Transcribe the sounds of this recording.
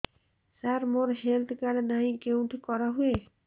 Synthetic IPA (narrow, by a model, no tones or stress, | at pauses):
saɾmoɾɦelt̪ʰkalnaɦĩkew̃ʈikɔɾaɦue